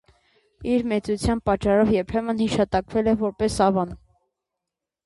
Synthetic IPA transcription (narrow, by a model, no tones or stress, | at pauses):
iɾmɛt͡sut͡sʰjɑnpɑt͡ʃːɑɾɔvjɛɾpʰɛmənhiʃɑt̪ɑkvɛlɛvɔɾpɛsɑvɑn